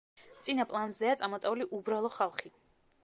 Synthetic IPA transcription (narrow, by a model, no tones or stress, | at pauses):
t̪sʼinapʼlˠanzɛat̪sʼamɔt̪sʼɛuliʔubɾalˠɔχalˠχi